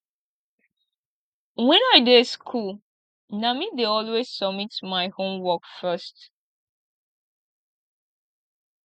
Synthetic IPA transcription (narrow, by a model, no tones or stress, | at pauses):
wɛ̃naɪdeskʰul | namideɔlwez̥sɔmitmaɪhõmwɔkfɜst